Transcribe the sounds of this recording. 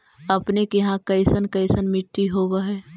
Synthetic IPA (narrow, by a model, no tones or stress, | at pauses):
ɐpnekeɦãkɐɪsənkɐɪsənmɪʈːiɦoːwaɦɛː